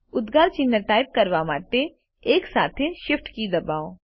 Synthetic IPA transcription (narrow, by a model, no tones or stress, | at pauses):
ʊd̪ɡaːɾt͡ʃinːəʈaːɪp̚kɐɾʋaːmaːt̪e | eːksaːt̪ʰeʃɪfʈkid̪ɐbaːo